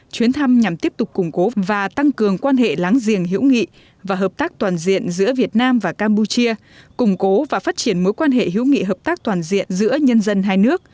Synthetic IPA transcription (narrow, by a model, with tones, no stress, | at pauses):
t͡ɕwi˨˦ənt̪ʰa˧mɲa˨˩mt̪i˦˥əp̚t̪ʊ˨˩k͡p̚kːʊ˨˩ŋ͡mko˨˦vaː˨˩t̪a˧ŋkɨ˨˩əŋkwaː˧nɦḛ˧˨laː˨˦ŋzḭ˨˩əŋɦḭ˧˥wŋḭ˧˨ | vaː˨˩ɦəː˨˩p̚t̪aː˦˥k̚t̪waː˨˩nzḭ˧˨ənzɨ̰˧˥əvi˨˩ət̚naː˧mvaː˨˩kaː˧mpu˧t͡ɕi˧ə | kʊ˨˩ŋ͡mko˨˦vaː˨˩faː˦˥t̚t͡ɕi˧˩ənmo˨˦jkwaː˧nɦḛ˧˨ɦḭ˧˥wŋḭ˧˨ɦəː˨˩p̚t̪aː˦˥k̚t̪waː˨˩nzḭ˧˨ənzɨ̰˧˥əɲə˧nzə˧nɦaː˧jnɨ˦˥ək̚